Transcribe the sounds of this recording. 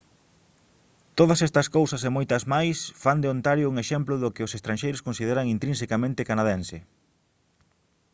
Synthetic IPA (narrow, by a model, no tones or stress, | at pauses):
t̪oðɐsɛst̪ɐskowsɐsemojt̪ɐzmajsfand̪ɪont̪aɾjʊuŋeʃɛmplʊðʊkɪʊsest̪ɾanʃejɾʊskõnsið̞eɾɐŋint̪ɾĩns̬ekamẽnt̪ɪkanaðensɪ